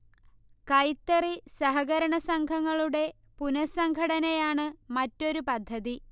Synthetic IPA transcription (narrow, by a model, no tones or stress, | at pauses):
kɐjt̪ːɐrisɐɦɐɣɐɾɐɳɐsɐŋɡʱɐŋːɐɭuɽe̞ | punɐsɐŋɡʱɐɽɐnɐjaːɳɨmɐtːo̞ɾupɐd̪ʱːɐði